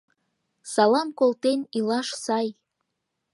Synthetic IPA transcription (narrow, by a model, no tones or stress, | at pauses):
sɑlɑmkolˠt̪enilɑʃsɑj